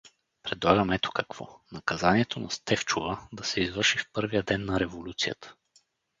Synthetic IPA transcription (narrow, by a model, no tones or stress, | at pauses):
pɾɛd̪lˠaɡəmɛt̪o̥kɐkv̥ɔ̰nɐkɐzaniɛt̪ʰonɐst̪ɛft͡ʃovəd̪ɐsɛizvɤɾʃifpɤɾvijəd̪ɛnːɐɾɛvolʲut̪sijə̰t̪ʰə̥